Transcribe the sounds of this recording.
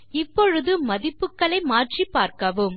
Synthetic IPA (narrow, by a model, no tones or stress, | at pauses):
ɪpːɔɻɯðɯmɐðɪpːɯkːɐɭɐɪmaːʈripːaːɾkɐʋɯm